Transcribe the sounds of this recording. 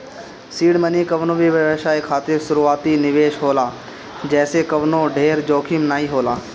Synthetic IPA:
siːɽmənikɐʋnoʋiʋəʋeːʃaːekʰaːt̪ɪɾsʊɾuaːt̪inɪʋeːʃɦoːlaː | d͡ʒɛːsekɐʋnoɖʱeːɾd͡ʒoːkʰɪmnaːiɦoːlaː

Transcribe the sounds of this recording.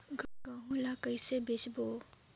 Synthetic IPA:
ɡaɡaɦũlakəisebet͡ʃboː

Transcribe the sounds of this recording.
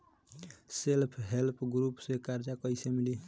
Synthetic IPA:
selpʰɦelpʰɡɾupsekaɾd͡ʒakəjsemili

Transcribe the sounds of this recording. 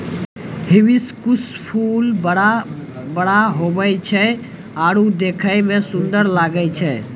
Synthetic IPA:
hɪʋiskʊspʰuləabəɽaɦobəjt͡ʃʰɛ | aːɽud̪ekʰəjmẽsʊ̃nd̪əɾlaːɡəjt͡ʃʰɛ

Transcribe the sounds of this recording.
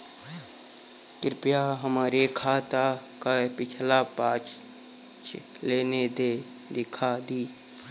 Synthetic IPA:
kɪɾpjaɦəmaːɾekʰaːt̪akapɪt͡ʃʰlapaːt͡ʃ | t͡ʃ | leːned̪e | d̪ɪkʰad̪iː

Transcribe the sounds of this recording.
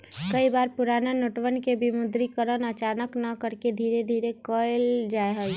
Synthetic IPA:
kəibaːɾpʊɾaːnanoːʈʋənkebimʊd̪ɾikəɾənət͡ʃaːnəknəkəɾked̪ʱiːɾed̪ʱiːɾekɔɪld͡ʒaːeɦə

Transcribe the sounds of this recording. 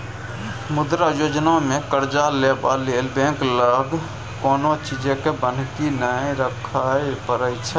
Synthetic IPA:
mʊd̪ɾajoːd͡ʒnamẽkəɾd͡ʒaleːbaleːlbẽːŋkləɡ | koːnot͡ʃid͡ʒẽkebən̤kinəĩɾəkʰaepəɾəjt͡ʃʰɛ

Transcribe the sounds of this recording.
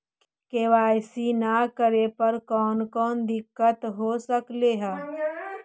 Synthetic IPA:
keːʋaːjsinakəɾepɐɾkɔːnkɔːnd̪ɪkːət̪ɦoːsəkleːɦɛː

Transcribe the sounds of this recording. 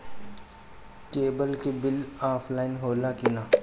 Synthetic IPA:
keːbəlkebɪlaːpʰlaːɪnɦoːlakinaː

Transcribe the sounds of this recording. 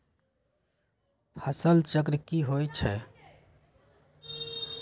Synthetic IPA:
pʰəsəlt͡ʃəkɾkiɦojt͡ʃʰɛ

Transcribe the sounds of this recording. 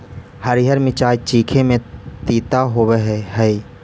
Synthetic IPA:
həɾiɦəɾmɪt͡ʃaːjt͡ʃiːkʰemẽt̪iːt̪aɦoweɦɛɦəi

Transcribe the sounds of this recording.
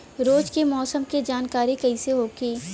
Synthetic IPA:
ɾoːd͡ʒkemɔːsəmked͡ʒaːnkaːɾikɐiseɦoːkeː

